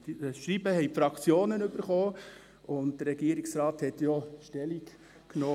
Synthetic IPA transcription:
ʃɾibəhɛjpfɾɑkt͡sjoːnənøb̥əɾχoː | ʊnt̚d̥əɾɛɡ̥iəɾiksɾɑːthɛtjɔʃtɛlik | knoː

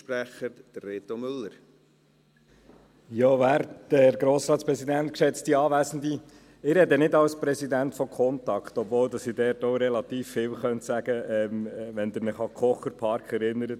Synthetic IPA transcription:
pɾæχəd̥̪ɾeːt̪omʏlːəɾ | jɔːʋæːɾtd̥əɾɡɾoːsɾɑːt̪spɾɛsidænt̚kʃɛt͡stiɑːʋæːsn̩d̪i | ɪɾhɛdənɪdɑlspɾɛsidæntfɔkʰɔntɑkχtɔbvoːldɑsidɛːɾtoɾɛlɑt̪iːfːɪːwχœnt̪sæɡ̥əɛmʋɛnd̪əɾmɪχɑkʰχɔχəɾpʰɑɾkχɛɾɪnəɾət

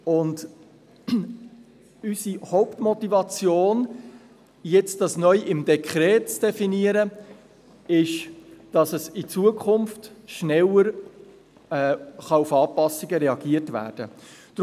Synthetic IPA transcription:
ʊnd | ysihoʊptmɔtivɑt͡sjoːn | jɛt͡std̥ɑsnœʏʔɪmdɛkʰχɾɛːtt͡sd̥ɛfiniəɾə | ɪʃd̥ɑsəsɪt͡suəkʰʊmftʃnɛləɾ | ɛːχɑufɑːpɑsiɡəɾɛɑɡiətvæ̰ːɾd̥ə̰d̥

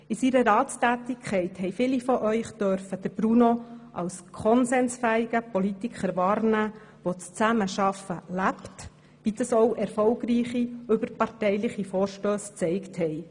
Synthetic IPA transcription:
ɪsiɾəɾɑːtstæːt̪ɪkʰχɛɪthɛɪfɪlifɔʔœʏχd̥œɾfəd̥əɾb̥ɾunoʔɑ̰wskʰɔnsɛnsfæːiɡ̥əpɔlit̪ikχəɾʋɑːɾnæː | ʋot͡st͡sæməʃɑfəlæpt | ʋid̥̪ɑsɔwʔɛɾfɔlɡriːχiɵbəɾpɑrtɛjlɪχifɔːɾʃtøːst͡sɛɪkthɛj

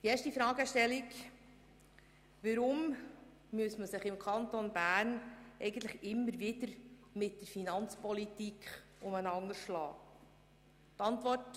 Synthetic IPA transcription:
d̥ieːʃtifɾɑːɡəʃtɛlik | ʋəɾʊm | myəsməsɪχɪmkʰɑnt̪onbæːrnɛɪɡən̩t̪ləχɪmːəɾvɪdəɾmɪt̚dəɾfinɑnt͡spɔlitikʰ | ʊmənɑŋəʃlɑ̰ː | tɑnt̪vɔrt

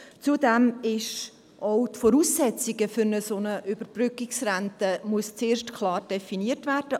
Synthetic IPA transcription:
t͡sudɛmɪʃ | ʔɔʊtfɔɾuːsːɛt͡siɡəfʏɾnəsonəʔʏb̥əɾb̥rʏkɪksɾæntəmuəst͡sɪːʃtkʰlɑːɾd̥ɛfiniətvæɾd̥ə

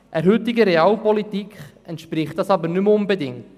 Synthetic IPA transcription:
ʔɛɾɦʉtɪɡəɾeɑːlpɔlitikχ | ɛntʃpɾɪχtd̥ɑsɑbəɾnʏmʊnbɛdɪŋt

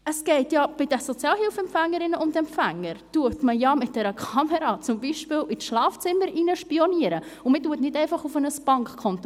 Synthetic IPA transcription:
əsɡ̥ɛɪtjɑb̥ɪd̥əsɔt͡sjɑːlhɪlfɛmpfæŋːəɾɪnəʔʊndɛmpfæŋːəɾtuətməjɑmɪt̚d̥ɛɾəkʰɑməɾɑt͡sʊmbiʃpɪlit͡sʃlɑːft͡sɪməɾinəʃpiɔniəɾəʊmɪtuətnɪdɛɪfɑχufənəsb̥ɑŋkkʰɔnt

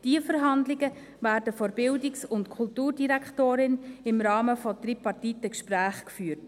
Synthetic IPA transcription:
d̥iəfəɾɦɑndlɪɡə | væːɾdəfɔɾbɪldɪksʊntkʰʊltuːɾdiɾækχtoːɾɪnɪmɾɑːməfɔdɾipɑrtitəkʃpɾæːχkfyːt

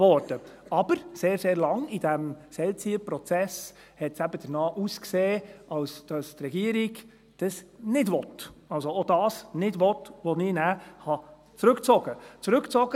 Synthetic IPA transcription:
vɔɾdəɑb̥əɾseːɾseːɾlɑŋid̥æmsɛlt͡siəpɾɔt͡sɛs | hɛtsæbəd̥ənɑːʔuːskseːɑwsd̥ɑstɾɛɡiəɾiɡ | d̥ɑsnɪdʋɔtɑlsood̥ɑːsnɪdʋɔtʋonɪnæːhɑ | t͡sɾɵkt͡sɔɡ̥ət͡sɾɵkt͡sɔɡ̥ə

